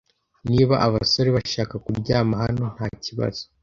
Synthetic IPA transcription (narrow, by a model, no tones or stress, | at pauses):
niːβaʔaβaso̞ɾe̞βaʃaːkakubɟaːmahano̞n̥haːciβa̰z̥o